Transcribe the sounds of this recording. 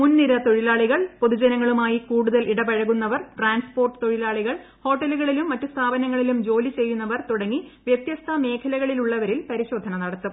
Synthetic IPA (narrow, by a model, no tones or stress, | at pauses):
munːiɾɐt̪o̞ɻilaːɭiɣɐɭpoðud͡ʑɐnɐŋːɐɭumaːjikuːɽuðɐlʔiɽɐbɐɻɐɣunːɐʋɐrʈraːnspoːrʈɨ̥t̪o̞ɻilaːɭiɣɐɭ | ho̞ːʈːɐluɣɐɭilumːɐtːust̪ʰaːbɐnɐŋːɐɭilumd͡ʑo̞ːlit͡ɕe̞jːunːɐʋɐrt̪uɽɐŋːiʋjet̪jɐst̪ʰɐme̞ːkʰɐlɐɣɐɭiluɭːɐʋɐɾilpɐɾiɕo̞ːd̪ʱːɐnɐnɐɽɐt̪ːu